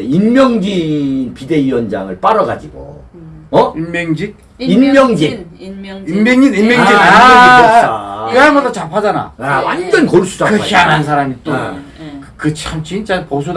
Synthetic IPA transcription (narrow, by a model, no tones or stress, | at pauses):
inmjʌŋd͡ʑinpide̞iwʌnd͡ʑaŋɯɭp͈aɾʌɡad͡ʑiɡo̰ | ʌinmʌŋd͡ʑik̚ | inmjʌŋd͡ʑi | immʌŋd͡ʑinimjʌŋd͡ʑiɡaneokɯaɭmʌdat͡ɕapʰad͡ʑana̰awa̰nd͡ʑʌnkʌɭs͈ʰu̥d͡ʑakɯkʰianannsʰaɾamit͈o | kkɯt͡ɕʰamt͡ɕint͡ɕ͈apos̬ʰu